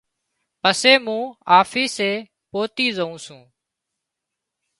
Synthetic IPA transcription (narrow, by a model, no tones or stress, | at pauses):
pəseːmũːaːfiːseː | poːt̪iːzəũːsũː